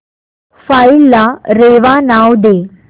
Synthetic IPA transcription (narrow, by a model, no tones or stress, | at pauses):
failːaɾeːʋanaːwd̪eː